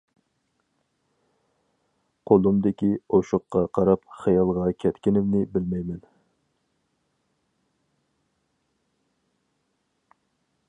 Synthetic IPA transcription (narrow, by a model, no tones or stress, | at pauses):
qʰolˠumd̪ɪkʲioʃʊqːɑqʰɑɾɑpχɑjɑlˠʁɑkʲʰɛt̪kʲinɪmnɪbɪlmɛjmɛn